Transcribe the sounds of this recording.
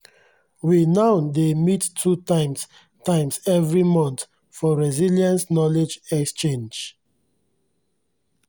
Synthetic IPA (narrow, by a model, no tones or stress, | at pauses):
winaʊdemitʰːutãɪ̃ms | tãɪ̃msɛvɹimɔ̃nt̪ | fɔɹɛziliãnsnɔled͡ʒɛkst͡ʃẽnd͡ʒ